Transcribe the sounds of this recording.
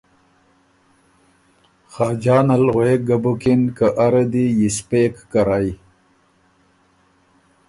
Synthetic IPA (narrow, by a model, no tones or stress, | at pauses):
xɑːd͡ʑɑːnalɣweɡabukinkaʔaɾad̪ijispekːaɾaj